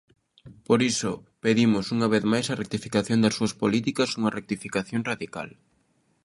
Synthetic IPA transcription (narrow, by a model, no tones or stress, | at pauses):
poɾisʊ | peðimʊsuŋɐβ̞eθmajsɐrek̚t̪ifikaθjond̪ɐsuɐspolit̪ikɐsuŋɐrek̚t̪ifikaθjoŋraðika̰l